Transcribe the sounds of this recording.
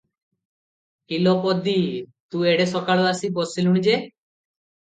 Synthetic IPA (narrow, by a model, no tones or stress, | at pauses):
kilɔpɔd̪it̪ueɽesɔkaɭɔasibɔsiluɳ̃d͡ʒe